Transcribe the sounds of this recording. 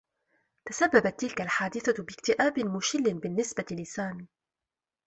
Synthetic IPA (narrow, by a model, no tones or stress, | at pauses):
t̪asabːabat̪ːɪlkalħaːd̪ɪθabɪkt̪ɪʔaːbɪmʊʃɪlːɪnbɪnːɪsbalɪsaːn